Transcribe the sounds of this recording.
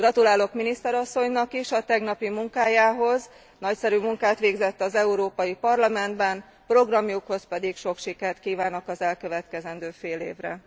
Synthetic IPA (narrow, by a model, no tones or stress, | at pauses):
ɡrɒt̪ulaːlo̞kminist̪ɛɾɒsːo̞ɲnɒkiʃɒt̪ɛɡnɒpimuŋkaːjaːɦo̞z | nɒcsɛɾymuŋkaːt̪ʋeːɡzɛt̪ːɒzɛuɾoːpɒjipɒrlɒmɛnd̪bɛn | pro̞ɡrɒmjukho̞spɛd̪ikʃo̞kʃikɛrt̪kiːvaːno̞kɒzɛlkøvɛt̪kɛzɛnd̪øːfeːlḛːvrɛ̰